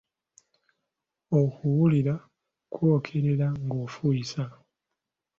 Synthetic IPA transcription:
o̞kuwuliɾa | kwo̞ːkʰe̞ɾe̞ɾaŋɡo̞fuisa

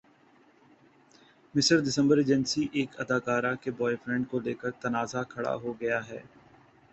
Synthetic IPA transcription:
mɪsəɾd̪ɪsə̃mbəɾeːd͡ʒənsiʔeːkɐd̪aːkaːɾakebɔːefɾɛ̃ɳɖ̚koleːkəɾt̪ɐnaːzakʰɐɽa̰ɦoɡɐjaɦɛ̰ː

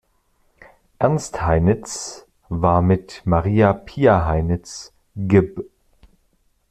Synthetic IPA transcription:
ʔɛɐnsthaɪnɪt͡s | vaːɐmɪtmaʁiːapʰiːaɦaɪnɪt͡s | ɡɪb

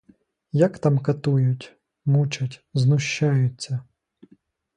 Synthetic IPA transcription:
jɐkt̪ɑmkɐt̪ujʊtʲ | mut͡ʃɐtʲznʊʃt͡ʃːɑjʊt͡sʲːɐ

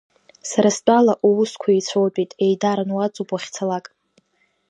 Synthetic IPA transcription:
saɾast͡pʼalaʔuwʊskʷʰait͡sʷʰowt͡pʷʼitʼejdaɾanwat͡sʼupʼaχʲt͡sʰalakʼ

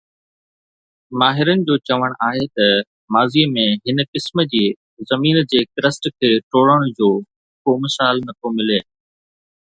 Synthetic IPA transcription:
maːɦɪɾənɪ̆d͡ʑoːt͡ɕɐʋəɽ̃ʔaːɦet̪ɐ | maːziːmẽɦɪnkɪsmə̆d͡ʑiː | zɐmiːnd͡ʑeːkɪɾəsʈkʰeːʈoːɽəɽ̃ʊd͡ʑoː | komɪsaːlnɐt̪ʰomɪleː

